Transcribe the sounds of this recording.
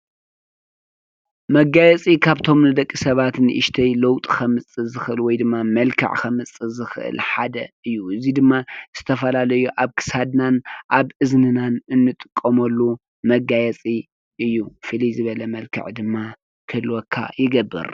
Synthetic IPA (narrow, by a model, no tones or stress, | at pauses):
mɐɡajɛt͡sʼikʰaβt̪ʰo̞mnɨd̪ɐkʼːisɐβat̪nɨ̰ʔɨʃt̪ʰɐjlɐwt̪ʼikʰɐmɨt͡sʼɨzɨxʔɨlwɔjd̪ɨmːamɐlkʰɨ̰ʕkʰɐmɨt͡sʼːɨzɨxɨʔɨ̰lħad̪ɐ̰ɨjːuɨzid̪ɨmːaz̥ɨt̪ʰɐfɐlalɐjuʔaβkʰɨ̥sad̪nanʔaβɨznɨnanɨnːɨt̪ʼɨkʼːɐmɐlːu | mɐɡajɛt͡sʼi | ʔɨjːufɨlizɨβɐlɐmɐlkʰɨ̰ʕd̪ɨmːa | kʰɨlwɔkʰːa̰jɪɡɐbːɨ̰ɾ